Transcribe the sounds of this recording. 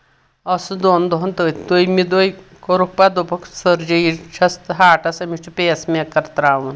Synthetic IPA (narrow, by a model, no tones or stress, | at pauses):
ɐsud̪oːnd̪oɦunt̪əːt̪ʰd̪ojmid̪oj | koɾuk̚paːd̪opʰɐksɐɾd͡ʒɐit͡ʃʰɐst̪ɦaːʈɐsɐmit͡ʃʰupeːsmekːɐɾt̪ɾaːʋun